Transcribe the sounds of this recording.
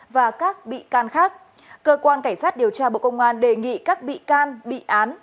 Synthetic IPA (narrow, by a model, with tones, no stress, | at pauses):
vaː˨˩kaː˦˥k̚ɓḭ˧˨kaː˧nxaː˦˥k̚ | kəː˧kwaː˧nkaː˧˩ŋsaː˦˥t̚ɗi˨˩əwt͡ɕaː˧ɓo̰˧˨kə˧wŋ͡mʔaː˧nɗe˨˩ŋḭ˧˨kaː˦˥k̚ɓḭ˧˨kaː˧nɓḭ˧˨ʔaː˨˦n